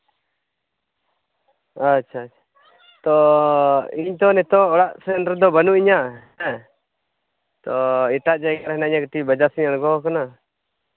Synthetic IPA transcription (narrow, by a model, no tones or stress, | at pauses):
at͡ʃʰaːt͡ʃʰḁ | t̪ɔ | iɲt̪ɔnɛt̪ɔːɽaʔsɛnʈɾd̪ɔbənuʔiɲah | t̪ɔiʈaʔd͡ʒaɡaɾɦɛnaiɲakəʈibəd͡ʒasiɲaɽɡɔkana